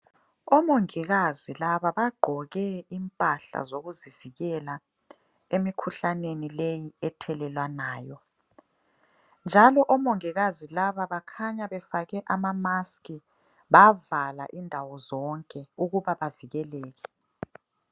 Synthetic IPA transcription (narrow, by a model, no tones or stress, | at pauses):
ɔmoŋiɣazilaβaβaɡ͡ǃʱɔɣɛimpʼaɬa̰zoɣuziviɣɛla | emikʰuɬanenilejiɛtʰɛlɛlwanaːjɔ | nd͡ʒʱalɔʔɔmoŋiɣazilaβaβakʰaɲaβɛfaɣɛʔamamaskʼi | βavala̰ʔindʱawɔzɔŋkʼɛuɣuβaβaviɣɛlɛːɣɛ